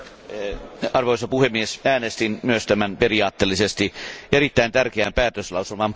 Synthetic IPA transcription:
ɑrʋoisɑpuhemːiesæːnest̪immyøst̪æmænperiɑːt̪ːeːlːisest̪ierit̪ːæint̪ærkeæmpæːt̪øslɑuselmɑm

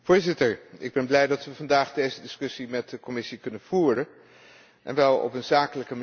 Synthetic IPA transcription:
v̥ʊːɹzɪtəɹɪɡ̚bɛnblɛjdɑtʋəvɑndaːχdejzədɪskɵsimɛt̚dəkɔmɪsikɵnənv̥uːrən | ʔɛ̰nʋɛlˠɔ̰pənzaːkələkəm

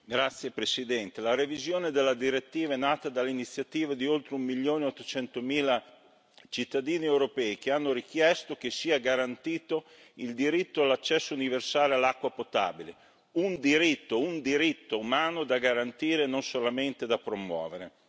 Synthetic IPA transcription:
ɡɾat̪sːjepɾesid̪ɛnt̪elaɾevizjoːned̪elːad̪iɾet̪ːiːvaɛnːaːt̪ad̪alːeinit̪sːjat̪iːvad̪iolt̪ɾeumːiljoːneot̪ːot͡ʃɛnt̪omiːla | t͡ʃit̪ːad̪iːniewɾopɛːik̟eanːoɾik̟jɛst̪ok̟esiːaɡaɾant̪iːt̪o | ild̪iɾit̪ːoalːat͡ʃːɛsːouniversaːlealːakːwapot̪a̰ːbile | und̪iɾit̪ːound̪iɾit̪ːoumaːnod̪aɡaɾant̪iːɾenonsolament̪ed̪apɾomwɔ̰ːveɾe

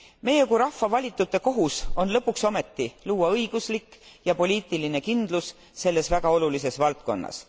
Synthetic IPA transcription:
me̞jeɡuɾɑhfvɑvɑlʲit̪ːˑut̪ːˑe̞ko̞ɦuso̞nlɤpːˑukso̞me̞t̪ːiluːɑɤiɡ̥uslikːjɑpo̞lʲiːt̪ːˑiline̞kind̪̥lus | se̞lːe̞svæɡ̥ɑo̞lulis̬e̞svɑlt̪̚ko̞̰nːɑ̰s

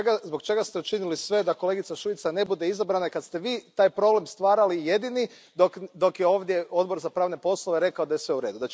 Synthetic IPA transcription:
ɡazbo̞ɡt͡ʃe̞ɡast̪eut͡ʃinilisʋe̞d̪akole̞ɡit̪saʃuit̪sane̞bud̪e̞izabɾanaikad̪st̪e̞ʋiːt̪aːjpɾo̞ble̞mst̪ʋaːɾalije̞d̪ini | d̪o̞kd̪o̞kjeo̞ːʋd̪je̞o̞d̪bo̞ɾzapɾaːʋne̞po̞slˠoʋe̞ɾe̞kaod̪ajesʋe̞uɾe̞ːd̪ud̪a

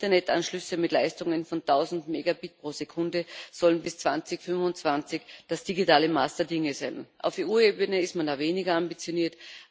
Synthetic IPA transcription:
tɐnɛta̰nʃlʏsəmɪtlaɪstʊŋənfɔntʰaʊzn̩tmeːɡabit̚pʁ̥oːzekʰʊndəz̥ɔlənbɪst͡sv̥ant͡sɪçfʏnvʊnt͡sv̥ant͡sɪçd̥asd̥iɡitaːləmaːsd̥əɐdɪŋəzaɪnʔa̰ʊfeʔuːeːbənəɪstmandaːveːnɪɡɐambit͡sjoniːɐt

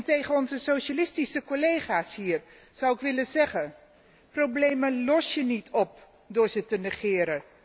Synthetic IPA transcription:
ntejχənɔnzəsowʃalɪstisəkolejχaːsɦiːɹ | z̥ʌwɪkʋɪlənzɛχən | prowblejməlɔsjənitʰɔp̚ | dʊːɹzətənəχɪːɾə

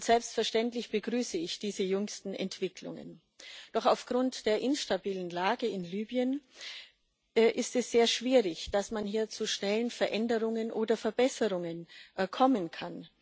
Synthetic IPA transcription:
ʊntz̥ɛlpstfɛɐʃtɛntlɪçb̥əɡʁyːsəɪçd̥iːzəjʏŋstn̩ɛ̰ntv̥ɪkʰlʊ̰ŋə̰n | d̥ɔχaʊfɡ̥ʁʊntd̥eːɐʔɪnʃtabiːlənlaːɡəɪnlyːbjən | ʔʔɪstɛsz̥eːɐʃv̥iːʁɪçd̥asmanhiːɐt͡suʃnɛlənfɛɐʔɛndəʁ̞ʊŋənʔoːdɐfɛɐbɛsəʁʊŋənkʰɔmənkʰan

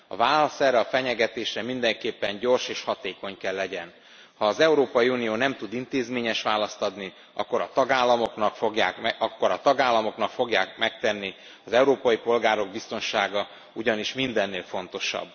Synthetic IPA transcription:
ɒ̰vaːlɒsɛrːɛɒfɛɲɛɡɛt̪eːʃrɛmind̪ɛŋkeːpːɛɲɟo̞rʃeːʃhɒt̪eːko̞ɲkɛlːɛɟɛn | hɒːzɛuɾoːpɒjiunijoːnɛmt̪ud̪int̪eːzmeːɲɛʃʋaːlɒst̪ɒd̪ni | ɒ̰kːo̞ɾɒt̪ɒɡaːlːɒmo̞knɒkfo̞ɡjaːkɒkːo̞ɾɒt̪ɒɡaːlːɒmo̞knɒkfo̞ɡjaːkmɛk̚t̪ɛnːi | ɒzɛuɾoːpɒjipo̞lɡaːɾo̞ɡ̚bist̪o̞nʃaːɡɒ | uɟɒniʃmind̪ɛnːeːlfo̞nt̪o̞ʃɒ̰bː

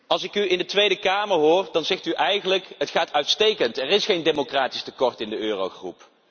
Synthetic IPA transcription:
ɑlˠsɪkyɪndətʋejdəkaːməɹɦʊːrdɑnzɛχtyʔɛjχənləkɦətχaːtœɥtstejkəntɛrɪsχejndemokraːtistəkɔɹtɪndəøːrowχrṵp

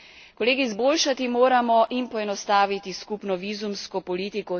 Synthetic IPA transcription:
kɔleːɡizboːlʃat̪imoːɾamɔʔinpɔɛnɔst̪aːʋit̪iskupnɔʋiːzumskɔpɔliːt̪ikɔ

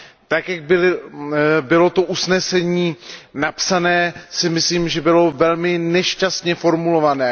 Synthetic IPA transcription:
t̪akjaɡ̚bɪlɪ | bɪlo̞t̪o̞ʔusnɛsɛɲiːnapsanɛːsɪmɪsliːmʒɛbɪlo̞vɛlmɪnɛʃcast̪ɲɛfo̞ɾmulo̞vanɛː

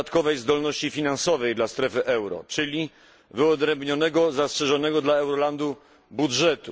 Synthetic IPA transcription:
t̪kɔvɛjzd̪ɔlnɔɕt͡ɕifʲinansɔvɛjd̪last̪ɾɛfɘʔɛwɾɔ̰t͡ʂɘlʲi | vɘɔd̪ɾɛmbɲɔnɛɡɔzastʂɛʐɔnɛɡɔd̪laɛwɾɔland̪u | budʐɛt̪u

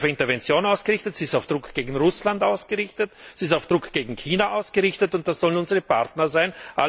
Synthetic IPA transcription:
fɪntɐvɛnt͡sjoːnaʊsɡ̥əʁɪçtətz̥iːɪstaʊfd̥ʁʊkʰɡ̥eːɡŋ̩ʁʊslantaʊsɡ̥əʁɪçtətsiːstaʊfd̥ʁʊkɡ̥eːɡŋ̩kʰiːnaʔaʊsɡ̥əʁɪçtətʊnt̚d̥asz̥ɔlənʊnzəʁəpa̰ʁtnɐzaɪnʔa̰

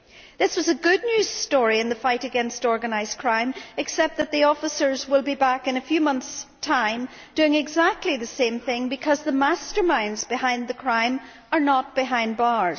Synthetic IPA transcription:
ðɪswʌzɨɡʊdⁿnjʉz̥stɔɹiɨ̃nðɨfaɪɾɨɡɛ̃nstɔɹɡɨnaɪzkʰɹ̥ãɪ̃mɨksɛp̚t̪̚ðɨt̪̚ðiɔfəsə˞zwɪlˠbibakɨ̃nɨfjʉmʌ̃nθstʰãɪ̃m | d̥ʉɪ̃ŋɨɡzak̚tʰˡliðɨsẽmθɪ̃ŋbɨkʰʌzðəmastə˞mãɪ̃nzbɨhãɪ̃nðɨkʰɹ̥ãɪ̃m | ə˞nət̚b̥ɪɦãɪ̃nbɑɹz̥

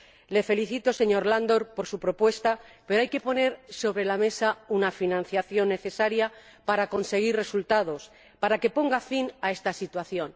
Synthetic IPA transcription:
le̞fe̞liθit̪o̞se̞ɲo̞ɾland̪o̞ɾpo̞ɾsupɾo̞pwe̞st̪ape̞ɾoajke̞po̞ne̞ɾso̞β̞ɾe̞lame̞saunafinãnθjaθjo̞nːe̞θe̞saɾja | paɾako̞nse̞ɣ̞irre̞sult̪að̞o̞s | paɾake̞po̞ŋɡafinae̞st̪asit̪waθjo̞n

